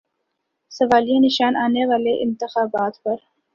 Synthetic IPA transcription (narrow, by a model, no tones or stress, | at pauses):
sɐʋaːlienɪʃaːnaːneʋaːleʔɪnt̪ɪxaːbaːt̪pɐɾ